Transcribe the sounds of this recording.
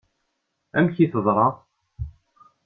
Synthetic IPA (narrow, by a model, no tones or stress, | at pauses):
æmçiθəðˤɾˤɑ